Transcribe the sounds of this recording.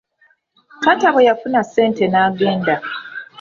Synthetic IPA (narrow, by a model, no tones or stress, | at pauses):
kataβejafunase̞ːnte̞naːɡeːnda